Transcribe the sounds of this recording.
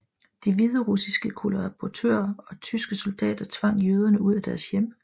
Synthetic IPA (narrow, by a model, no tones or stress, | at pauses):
d̥iʋiðˠəʁusisɡ̥əkʰolʁɑpʰɒt͡sʰø̰ːɐɒ̽t͡sʰysɡ̥əsuld̥ɛ̰ːd̥ɐt͡sʰʋɑ̈ŋ̰jøːð̞ˠɐnəuð̞̰ˠæd̥æɐsjem̰